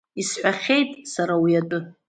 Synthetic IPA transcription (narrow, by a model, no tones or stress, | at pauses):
isħʷaχʲe̞jtʼsaɾawiatʼɨ